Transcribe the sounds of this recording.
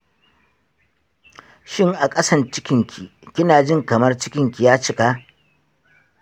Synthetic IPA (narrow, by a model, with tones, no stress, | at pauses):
ʃɪ˦˨ŋʔa˨kʼɐ˦sɐ˦nt͡ʃɪ˦kʲɪ˨ŋkʲʰi˨kʲɪ˦naː˨d͡ʒɪ˦˨ŋkɐ˨mɐ˦rt͡ʃɪ˦kʲɪ˨ŋkʲi˨jaː˦t͡ʃɪ˦kaː˦